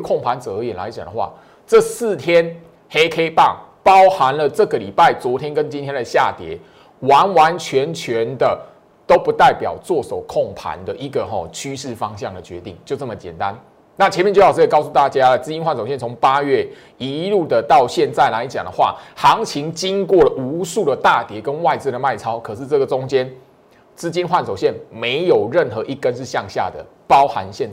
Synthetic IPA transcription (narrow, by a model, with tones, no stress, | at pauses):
kʰo˥˩ŋpʰa˧˦nt͡sɤ˨˩əː˧˦jɛ˨˩nla˧˦ɪt͡ɕja˨˩ŋd̪ə˦xwa̰˥˨˩ | t͡sɤ˥˧sɹ̩˥˨t̪ʰjɛ˦n | he˥ɪkʰe˥ɪpɑ̰˥˩ŋ | pɑ˦ʊha˧˦nlə˨t͡sɤ˥˩ɡə˩li˨˩pa˥˩ɪt͡swɔ˧˥t̪ʰjɛ˦nkə˦nt͡ɕi˦nt̪ʰjɛ˥nd̪ə˨ɕja̰˥˨t̪jɛ̰˨˩˦ | wa˧˦˥nwa˧˦nt͡ɕʰɥɛ˨˧˦nt͡ɕʰɥɛ˨˦nd̪ə˨ | t̪o˥ʊpu˧˦t̪a˥˩ɪpjɑ̰˨˩ʊt͡swɔ˥˨so˨˩ʊkʰɔ˥˩ŋpʰa̰˧˦nd̪ə˨ʔi˧˥ɡə˨ɦɔ˨t͡ɕʰy˦ʂɻ̩˥˩fɑ˦ŋɕjɑ˥˨˩ŋd̪ə˨˩t͡ɕɥɛ˧˦t̪ḭ˥˩ŋt͡ɕjo˥˧ʊt͡sə˥˩mə˨˩t͡ɕjɛ̰˨˩nt̪a˦n | na˥˩t͡ɕʰjɛ˧˦mɛ˥˧nt͡ɕjjt͡skɑ˥˧ʊs̬u˥˧t̪a˥˨˩t͡ɕja˦lə˨t͡sɹ̩˥t͡ɕi˥nxwa˥˩nso˨˩ɕjɛ˥˨nt͡sʰʊ˧˦ŋpa˦ɥɛ˥˩ | i˧˦lu˥˩d̪ə˩t̪ɑ˥˧ʊɕjɛ˥˧nt͡sa˥˩ɪla˧˦ɪt͡ɕja˨˩ŋd̪ə˦xwa̰˥˨xɑ˧˦ŋt͡ɕʰi˧˦˥ŋt͡ɕi˦ŋkwɔ˥˩lə˩ʔu˧˥su˥˩d̪ə˩t̪a˥˨t̪jɛ˨˧˥kə˦nwa˥˧ɪt͡sɹ̩ɛ˥˩d̪ə˩ma˥˩ɪt͡sʰɑ˥ʊkʰɤ˨˩ʂɻ̩˥˧t͡sɤ˥˩ɡə˩t͡sʊ˦ŋt͡ɕjɛ˥˦n | t͡sɹ̩˥t͡ɕi˥nxwa˥˩nso˨˩ʊɕjɛ˥˩nme˧˥ɪjo˨˩ʊɻə˥˩nxɤ˧˦ʔi˥˩kːə˦nʂɻ̩˥˧ɕjɑ˥˧ŋɕja̰˥˩d̪ə̰˩ | pɑ˦ʊxa˧˦nɕjɛ˥˨n